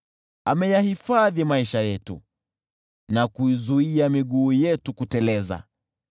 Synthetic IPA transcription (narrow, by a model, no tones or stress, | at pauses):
amɛjahifaðimaiʃajɛtṵ | nakuizuiamiɠuːjɛtukutɛlɛza̰